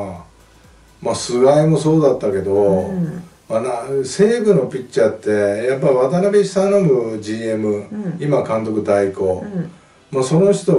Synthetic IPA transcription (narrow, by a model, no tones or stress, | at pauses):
masɨɡaimo̞so̞ːd̪at̪ːake̞d̪o̞ | manase̞ːɡɯ̟no̞pʲitt͡ɕat̪ːe̞japːaiβat̪anabʲeɕi̥sãnomɯ̟d͡ʑiːe̞mɯ̟imakãnt̪o̞kɯ̟d̪aiko̞ | maso̞no̞çi̥t̪o̞